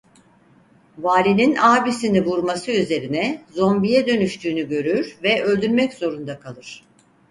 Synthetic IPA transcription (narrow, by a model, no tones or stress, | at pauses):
vaːlʲininaːbisinivuɾmasɯyze̞ɾinɛzo̞mbijɛd̪ø̞nyʃt̪ʰyːnyɟø̞ɾyɾvɛʔø̞lʲd̪yɾmɛcz̥o̞ɾund̪akʰalˠɯɾ̥